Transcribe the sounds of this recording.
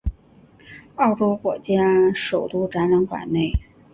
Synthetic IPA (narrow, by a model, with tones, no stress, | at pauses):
ɑ˥˩ʊʈ͡ʂo˥ʊkwɔ˨˩t͡ɕja˥ʂo˨˩ʊt̪u˥˩ʈ͡ʂa˧˥nɻa˧˥ŋkwa̰˨˩nne˥˩ɪ